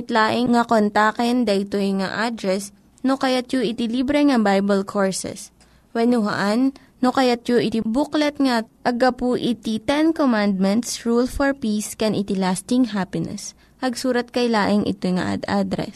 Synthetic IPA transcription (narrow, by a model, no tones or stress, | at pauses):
ɪt̪laːʔɪŋŋɐkont̪akɛnd̪ɐʔɪt̪ojŋa̰ʔad̪ɾɛs | nokɐjat̪̚joʔɪt̪ɪlibɾɛŋɐbajbɐlkʰoɹsɛ̰s | wɛnʊɦɐ̰ʔanː | okɐjat̪̚joʔɪt̪ibuklɛt̪̚ŋɐʔɐɡɐpuʔɪt̪it̪ɛnkomand̪̚mɛnt̪sɹulfoɹpiskɛnʔɪt̪ɪlast̪ɪŋɦapɪnɛ̰s | pɐɡsuːɾɐt̪̚kɐjlaːʔɪŋʔɪ̰t̪ojŋɐ̰ʔa̰d̪ad̪ɾɛ̰s